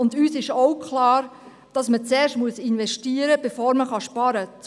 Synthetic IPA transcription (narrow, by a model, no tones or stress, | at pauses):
ʊndyːsɪʃoʊkχlɑːɾ | d̥ɑsmət͡sɛːɾʃmuəsɪnʋɛʃtiːəɾəb̥efoːɾməχɑʃpɑɾət͡s